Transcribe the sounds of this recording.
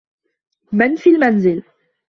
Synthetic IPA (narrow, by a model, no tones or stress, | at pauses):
mɛnfilmanzil